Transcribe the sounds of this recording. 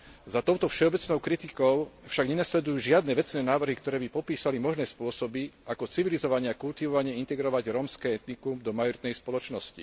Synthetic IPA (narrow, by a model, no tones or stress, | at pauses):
zat̪ɔʊt̪ɔfʃɛɔbɛt͡snɔʊkɾit̪ikɔʊfʃaɡɲɛnaslɛd̪ujuːʒɪad̪nɛːʋɛt͡snɛːnaːʋr̩ɦikt̪ɔɾɛːbipɔpiːsalimɔʒnɛːspʊɔsɔbiakɔt͡siʋilizɔʋaɲɛakult̪iʋɔʋaɲɪɛint̪ɛɡɾɔʋaɟɾɔmskɛːɛt̪nikumd̪ɔmajɔɾit̪nɛjspɔlɔt͡ʃnɔscḭ